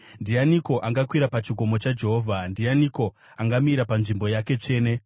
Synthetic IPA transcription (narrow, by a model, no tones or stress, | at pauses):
ndijaniko̞ʔaŋɡakwiɾapat͡ʃiɡʱo̞mo̞t͡ʃad͡ʒe̞ɦoːvʱandijaniko̞ | aŋɡamiɾapanʐimbo̞jake̞t͡ʂe̞ːne